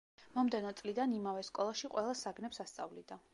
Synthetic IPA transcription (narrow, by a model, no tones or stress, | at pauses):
mɔmd̪ɛnɔt̪sʼlid̪animavɛskʼɔlˠaʃiqʼwɛlˠasaɡnɛpsast̪sʼa̰vlid̪a